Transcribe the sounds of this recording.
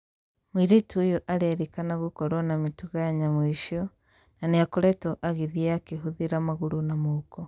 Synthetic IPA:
mwiɾituːjɔʔaɾeɛɾikanaɣukɔɾɔnamituɣajaɲamwiʃiɔ | naneakɔɾɛtɔʔaɣiðiɛakeɦuðiɾamaɣuɾunamoːkɔ

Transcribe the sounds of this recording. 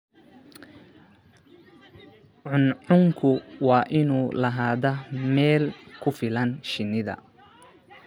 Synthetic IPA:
ʕʊnʕʊŋkʰʊwɑːʔɪnuːlɐɦaːðɐmɛːlkʰʊfɪlɐnʃɪnːɪðɐ̰

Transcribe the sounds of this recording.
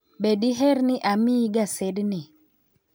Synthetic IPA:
bedɪɦɛɾnɪʔamɪɡasɛdnɪ

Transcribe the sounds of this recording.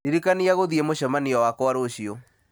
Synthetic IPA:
iɾikaniaɣoðiemoʃɔmaniɔwakɔaɾoɕio

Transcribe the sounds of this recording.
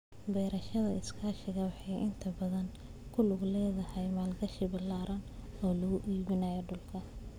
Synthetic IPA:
bɛjɾɐʃɐðɐɪskʰaːʃɪɣɐwɑħɑjʔɪnt̪ʰɐbɐðɐŋ | kʰʊlʊɡlɛːðɐhɛjmaːlɡɐʃɪbɪlːaːɾʔɐnɔːlɐɣʊʔiːβɪnɐjɔɖʊlkʰɐ

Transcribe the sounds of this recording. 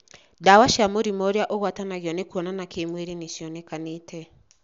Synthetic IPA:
dawaʃamoɾimɔɾeaʔoɣwatanaɣjɔnekuɔnanakemweɾeneʃjɔnɛkanetɛ

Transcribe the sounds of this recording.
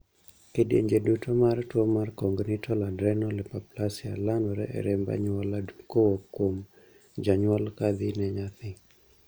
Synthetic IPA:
kedjḛɲd͡ʒedutomartwɔmarkɔŋɡnɪtʰɔladɾɛnɔlɛpaplasɪa̰lanɔɾɛ̰ʔɛ̰ɾemba̰ɲwalakowokːwom | d͡ʒaɲwalkad̪ɪnɛɲat̪ɪ

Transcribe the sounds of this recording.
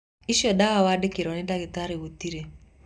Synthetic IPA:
iʃɔdawawadekeɾɔnedaketaɾewot̪iɾe

